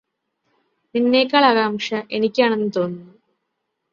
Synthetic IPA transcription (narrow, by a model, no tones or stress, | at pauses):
ninːeːkːɐɭaɣaːmʂɐʔe̞nikʲːaːɳe̞nːɨt̪o̞ːnːu